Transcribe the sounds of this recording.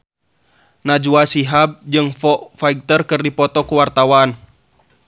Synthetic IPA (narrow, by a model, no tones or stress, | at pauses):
nad͡ʒuasiɦab̚d͡ʒɨŋfɔʔfaik̚t̪ərkɨrdipɔt̪ɔkuwart̪awan